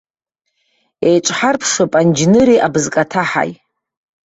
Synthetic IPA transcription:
ejʈ͡ʂʷʼħarpʰʂɨpʼand͡ʒnɨɾiʔabzkʼatʰaħa̰j

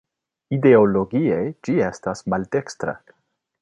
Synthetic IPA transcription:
ide̞olo̞ɡiejd͡ʒie̞stasmalde̞kstɾa̰

